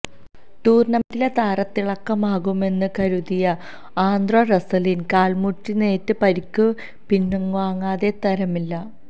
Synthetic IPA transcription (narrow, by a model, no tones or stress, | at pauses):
t̪uːrnɐmɐdilet̪aːɾɐt̪ːiɭɐkːɐmaːɣume̞nːɨkɐɾuðijɐ | aːnd̪roːrɐsɐlinkaːɭmuʈːine̞ːtːɨpɐɾikːu | pinːuŋʋaːŋːaːðe̞t̪ɐɾɐmilːɐ